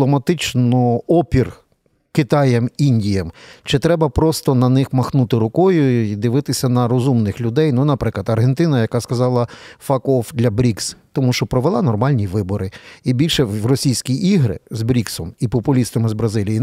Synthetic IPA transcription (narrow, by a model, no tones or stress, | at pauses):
lˠɔmɐt̪ɪt͡ʃnɔɔpʲir | kɪt̪ɑjɛminʲdʲijɛmt͡ʃɪt̪ɾɛbɐpɾɔst̪ɔnɐnɪxmɐxnut̪ɪɾʊkɔjʊid̪ɪʋɪt̪ɪsʲɐnɐɾɔzumnɪxlʲʊd̪ɛjnunɐpɾɪklˠɐd̪ɐrɦent̪ɪnɐjɐkɑskɐzɑlˠɐfɑkɔfd̪lʲɐbɾʲikst̪ɔmuʃt͡ʃɔpɾɔʋelˠɪnɔrmɑlʲnʲiʋɪbɔɾɪibʲilʲʃɛʋrɔsʲijsʲkʲiiɦɾɪ̰zbɾʲiksɔmipɔpʊlʲist̪ɐmɪzbɾɐzɪlʲiji